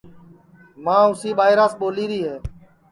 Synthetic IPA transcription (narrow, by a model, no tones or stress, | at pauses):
mãːʊsiːɓaːɪɾaːsɓoːliːɾiːɦeː